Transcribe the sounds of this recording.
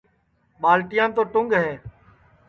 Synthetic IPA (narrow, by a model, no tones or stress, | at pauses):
ɓaːlʈɪjãːt̪oːʈʊŋɡɦeː